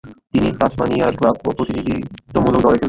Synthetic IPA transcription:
t̪iniasmaniaɾklabopɾot̪inid̪ʱḭt̪omulok̚d̪ɔleɾke

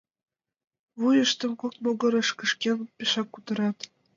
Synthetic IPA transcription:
βujə̆ʃt̪ɤ̆mkok̚tmoɡɤ̆ɾɤ̆ʃkə̆ʃkʲenpʲeʃɑkːut̪ɤ̆ɾɑt̪

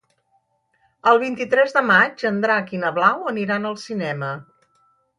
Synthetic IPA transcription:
əlˠβ̞int̪it̪ɾɛzðəmad͡ʒənd̪ɾaəkinəβlawəniɾanəlˠsinɛmə

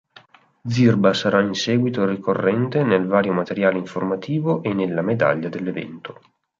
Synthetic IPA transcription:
d̪zirbasaɾainsɛːɡwit̪orikorːɛnt̪enelvaːɾjomat̪eɾjaːleiɱformat̪ʰiːvoʔenːelːamed̪a̰ʎːad̪elːevɛ̰nt̪o

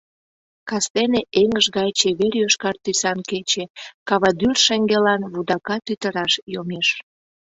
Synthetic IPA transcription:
kɑst̪eneʔeŋəʒɣɑjt͡ɕeβerjøʃkɑrt̪ysɑnket͡ɕekɑβɑd̪yrʃeŋɡelɑnβud̪ɑkɑt̪yt̪əɾɑʃjomeʃ

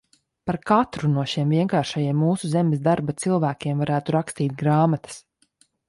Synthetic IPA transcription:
paɾkat̪ɾunuɔʃiɛmviɛŋkaːɾʃajiɛmːuːsuzemɪsd̪aɾbat̪silˠvæːkʲiɛmvaɾæːt̪uɾakst̪iːt̪̚ɡɾaːmat̪ɐ̥s

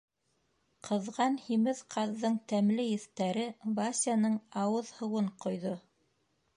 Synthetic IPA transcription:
qʰɤ̆ðʁɑnhimɘðqʰɑðːɤɴt̪æmlɘjɘ̆θt̪æɾɘbasʲjanɤɴɑwɤðhɤ̆wɤɴqŏjðo

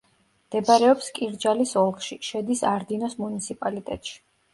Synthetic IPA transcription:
md̪̥ɛbaɾɛɔpskʼiɾd͡ʒalisɔlˠkʰʃiʃɛd̪isaɾd̪inɔsmunit̪sʰipʼalit̪ʼɛt̪ʼʃi̥

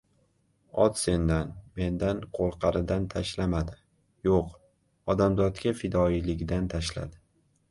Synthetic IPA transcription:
ɒt̪se̞nd̪anme̞nd̪anqʰolˠqʰɑɾɪd̪ant̪ʰaʃlamad̪ɪ | joq | ɒd̪amd̪ɒt̪kʲafɪd̪ɒilɪɡʲd̪ant̪ʰaʃla̰d̪ɪ

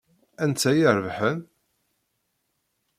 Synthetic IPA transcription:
ænt͡sːæjiɾəvħən

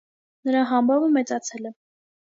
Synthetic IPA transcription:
nəɾɑɦɑmbɑvəmɛt͡sɑt͡sʰɛlɛ

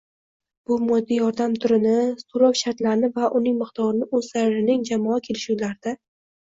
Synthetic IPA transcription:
b̥ʊmɒd̪ːijɒɾd̪amt̪ʰʊɾɪnɪsoɾɒwʃaɾt̪laɾnɪvaʔʊnɪŋmɪqt̪ʰɒɾɪnɪʔɵz̥saɾɾɪnɪŋd͡ʒamɒakʲʰe̞lɪʃulaɾɪd̪a

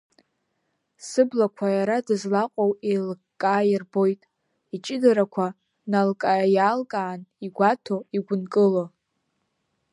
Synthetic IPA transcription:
sɨblakʷʰajaɾadɨzlaqʷʼowelɡkʼːaːjɪrbo̞jtʼ | it͡ʃʼɪdaɾakʷʰa | nalkʼajaːlkʼaːniɡʷatʰoiɡʷʊnkʼɨlo

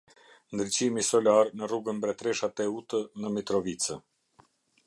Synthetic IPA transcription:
nd̪ɾit͡ɕimisɔlaɾnəruɡənbɾɛt̪ɾɛʃat̪ɛut̪ənəmit̪ɾɔvit͡sə

